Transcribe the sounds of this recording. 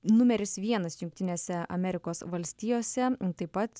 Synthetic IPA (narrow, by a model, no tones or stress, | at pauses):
nʊmʲɛɾʲɪsʋʲiɛnɐsjʊŋkt̪ʲɪnʲeːsʲɛɐ̰mʲɛɾʲɪkoːsʋɐlʲsʲt̪ʲijoːsʲɛt̪ɐɪpɐt̪